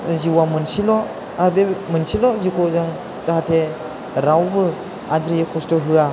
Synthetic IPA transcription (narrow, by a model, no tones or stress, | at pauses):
ziwamɯnsilɔ | aɾbemɯnsilɔzikʰɔzɯŋ | zaɦatʰe | ɾawbɯ | adɾijekʰɔstɔɦɯa